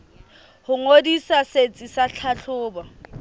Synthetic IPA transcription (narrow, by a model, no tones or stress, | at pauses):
hʊŋodisaset͡sʼisat͡ɬʰaɬʰʊːba